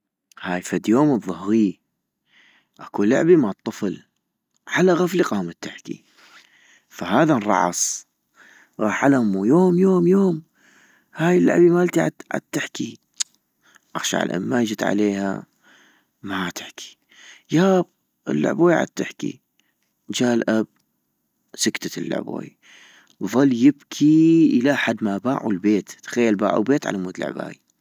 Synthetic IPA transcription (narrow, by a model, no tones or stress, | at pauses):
haːjfad̪joːmɨðˤːʊhɣi | ʔakulʊ̰ʕbimaʕt̪ˤːɨfl | ʕalaɣafliqɑːmat̪ːɪħkḭ | faɦaːðarˤɑ̰ʕɑ̰sˤ | ɣɑːħʕalahmujoːmjoːmjoːm | haːjɪlːʊ̰ʕbimalt̪iʕa̰ʕa̰d̪̚t̪ːɪħki | ʔaxʃa̰ʕa̰lʔa̰mːad͡ʒɪt̪ʕa̰leːha̰ | mat̪ɪ̥ħkʰi̥ | jaːb̚ | ʔɪ̰lːʊ̰ʕboːjʕa̰d̪̚t̪ɪħkḭ | d͡ʒaːlʔab̚ | sʊkt̪at̪əlːʊ̰ʕbo̰ːj | ðˤɨlːjɪbkʰiʔɪlaʔħad̪mabaːʕṵlbeːt̪t̪xajːalba̰ːʕṵbeːt̪ʕa̰lamuːd̪la̰ʕba̰ːj